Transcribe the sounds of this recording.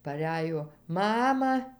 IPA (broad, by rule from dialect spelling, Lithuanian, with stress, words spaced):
pɐˈrʲæjoː ˈmɑːmɐ